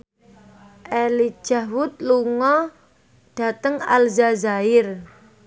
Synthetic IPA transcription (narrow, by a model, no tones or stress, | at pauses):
ʔeli̥ʒ̥a̤wʊt̪̚luŋɔ | ɖ̥a̤t̪əŋa̰lzazaɪr